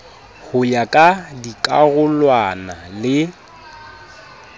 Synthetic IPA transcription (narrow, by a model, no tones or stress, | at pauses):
hʊjakʼadikʼaɣʊlwanalɪ